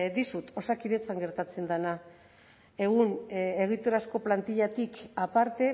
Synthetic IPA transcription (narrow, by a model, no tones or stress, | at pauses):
d̪isut̪o̞sakiðe̞t͡saŋɡe̞ɾt̪at͡se̞nd̪ana | e̞ɣune̞ɣit̪oɾasko̞plant̪iʎat̪ikapaɾt̪e̞